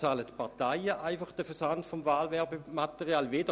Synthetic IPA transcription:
t͡saːlətpʰaɐtaɪəʔaɪfaχd̥əfɛɐsantfɔmvaːlvɛɐbematɛʁiaːlveːdə

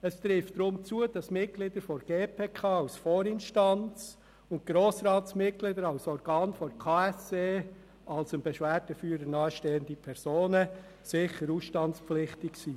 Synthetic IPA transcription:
əst̪ɾɪftd̥ɾʊmt͡suəd̥ɑsmɪt̚klid̪əɾfɔɾɡ̥eːpʰeːkʰɑːaʊsfoːɾɪnʃtɑnt͡s | ʊnt̚ɡ̥ɾoːsɾɑːtsmɪt̚klid̪əɾɑʊsɔɾɡɑːnfɔɾkʰaːɛseː | ʔɑlsənbɛʃʋæːɾdəfyːəɾəɾnɑːʃteːəndipʰɛɾzoːnə | sɪχəɾuːsʃtɑntspflɪχtɪksiː

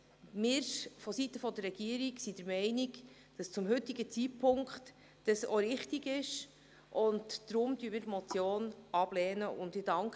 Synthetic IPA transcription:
mɪːɾfɔsit̪əfɔdərːɛɡ̥iəɾiksid̥əɾmɛɪnik | d̥ɑst͡sʊmɦʏt̪iɡət͡sipʰʊŋkχt | d̥əsoɾɪχtiɡɪʃ | ʔʊntːɾʊmd̥yəmɪːɾtmɔt͡sjoːnɑb̥lɛːnəʊndɪdɑŋk

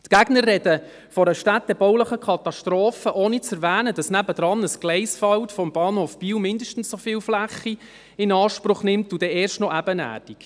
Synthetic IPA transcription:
tkæɡ̥nərːɛdə | fɔɾəʃtæt̚d̥ɛbɔwləχəkʰɑt̪ɑʃtɾoːfəʔoːnit͡sɛɾvæːnəd̥ɑsnæbəd̥ɾɑnəsɡ̥lɛɪsfɑwtfɔmb̥ɑːnhoːfb̥iːwmɪndəʃtn̩ssɔfiːwflæχːi | ɪnɑːʃpɾʊχnɪmtud̥ɛɛːɾʃtnɔʔæbənæ̰ːd̥ik

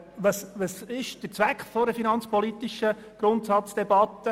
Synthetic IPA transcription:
ʋɑsʋɑsɪʃd̥ət͡sʋækχfɔdəfinɑnt͡spɔlit̪iʃə | ɡ̥ɾʊntsɑt͡sd̥ebɑt̪ːə

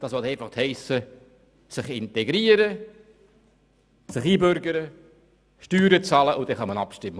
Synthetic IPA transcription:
d̥ɑːsʋɔltɛɪfɑχt̪hɛɪsə | sɪχɪntɛɡɾiːəɾə | sɪχiːbøɾɡəɾə | ʃtyːɾət͡sɑːləʔʊd̪ɛχɑmɑnɑpʃtɪmːə

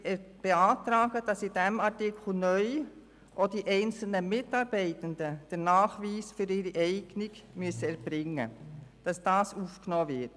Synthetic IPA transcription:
b̥eaːtɾɑːɡ̥əd̥ɑsid̥ɛmɑɾtɪkʰl̩nœʏ | ʔod̥iʔɛɪnt͡sl̩nəmɪtɑːɾb̥ɛɪtəndəd̥ɛnɑːχʋiːsfʏɾɪɾiʔɛɪɡ̥nɪɡmyəsəɛɾb̥ɾɪŋːə̰d̥ɑsd̥ɑːsuːfknɔːvɪt

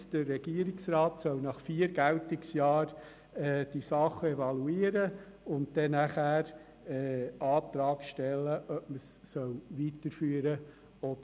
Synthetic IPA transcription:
d̥ərːɛɡ̥iːəɾɪksɾɑːt̪sœwnɑχfiːəɾɡæwtɪksjɑːɾ | ɛːd̥isɑχːəɛvɑluiːəɾə | ʊntdɛnæχæːɾ | ɛːɑːt̪ɾɑːkʃtɛlːəʔœp̚məsːœlʋitəɾfyːəɾə | ɔdə

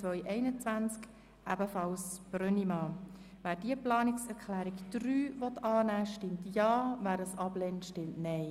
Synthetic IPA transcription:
ʋœʏʔɛɪnət͡svænt͡sk | ʔæbəfɑlsb̥ɾœnimɑː | væːɾd̥iəplɑːnɪksɛɾkʰlæːɾikd̥ɾyːvɔtɑːnæːʃtɪmtjɑːvæːɾəsɑblɛntʃtɪmtnɛɪ

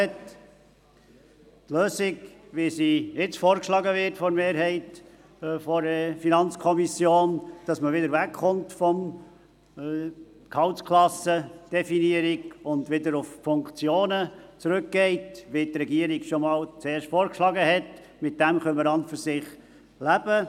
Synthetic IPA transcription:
ɛt | tløːsiɡʋisijɪt͡sfɔːɾkʃlɑɡəʋɪrtfɔɾmeːɾhɛɪt | fɔɾəfinɑnt͡skʰɔmisjoːnd̥ɑsməʋɪdəɾvækχʊmtfɔm | khɑʊwtskʰlɑsəd̥ɛfiniəɾiɡʊndʋɪdəɾʊffʊŋkt͡sjoːnət͡sɾɵkɡ̥ɛɪtʋitrɛɡiəɾiɡʃɔmɑːlt͡seːɾʃtfɔːɾkʃlɑɡəɦɛt | mɪt̚d̥æmχœməɾɑntfyɾsɪχ | læbə

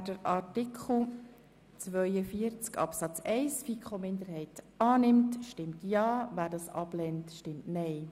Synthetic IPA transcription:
dəɾɑtɪkʰχl̩ˠ | t͡sʋœʏəfiəɾt͡skɑ̰psɑt͡sɛɪsfikʰχomɪndəɾhɛɪtʔɑːnɪmtʃtɪmtjɑːvæːɾdɑsɑ̰blɛntʃtɪmtnɛɪ

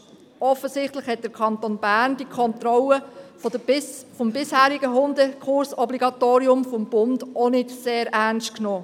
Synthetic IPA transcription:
ɔfəsɪχtlɪχhɛt̚d̥əkʰɑnt̪onbæɾnd̥ikʰɔnt̪ɾɔlə | fɔmbɪshæːɾiɡəɦʊndəkʰʊɾsɔbliɡɑtoːɾiʊmfɔmb̥ʊndonɪdseːɾʔæɾnstknoː

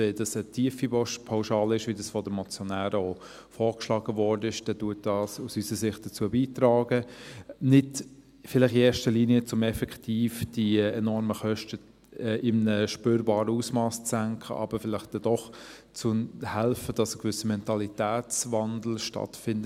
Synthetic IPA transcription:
ɛd̥ɑsətʰiːəfibɔʃpʰaʊʃɑːlɪʃʋidɑsfɔdəmɔt͡sjɔnæːɾəoː | fɔːɾkʃlɑːɡəvɔɾdəɪʃd̥ɛduːt̚d̥ɑːsusysəsɪχt̚d̥ət͡suəbiːtɾɑːɡənɪd | fɪlɪχɪɛːɾʃtəliːniət͡sʊmɛfɛktʰiːfd̥iɛnɔɾməχœʃtə | ɛʔɪmnəʃpøːɾbɑːɾəusmɑːst͡sæŋkʰχə̰ʔɑ̰b̥əɾfɪlɪχt̚d̥ɛd̥ɔχ | t͡sʊmhɛlfəd̥ɑsəkvʏsəmɛntɑlitæːt͡svɑndl̩ʃtɑ̰tfɪndə

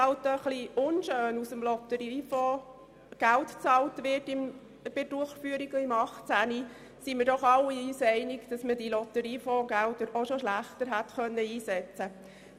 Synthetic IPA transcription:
ɑltəχliʊnʃøːnusəmlɔt̪əɾifoː | ɡ̥æltt͡sɑːltʋɪrtɪm | b̥ɪd̥uəχfyəɾiɡimɑχt͡sæni | siməɾdɔχɑlːiisɛɪnɪɡd̥ɑsmədilɔt̪əɾiːfoɡæltəɾoʃoʃlæχtəɾɦætχœnːəiːsɛt͡sə

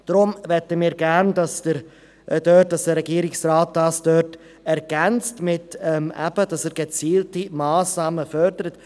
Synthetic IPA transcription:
d̥ɾʊmvɛtəmiːɾɡæɾndɑsd̥əɾ | døːt̚d̥ɑsd̥əɾɛɡiːɾɪksraːt̚d̥ɑːsd̥œt | ɛɾɡ̥ɛnt͡stmɪtɛmʔæ̰b̥ədɑsɛːɾɡ̥ət͡siːltimaːsnɑːməfœɾdəɾət

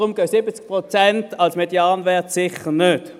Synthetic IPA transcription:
ʁʊmɡ̥œsɪbət͡sk̚pʁɔt͡sɛntɑlsmedjaːnvɛɐtsɪχəʁnøt

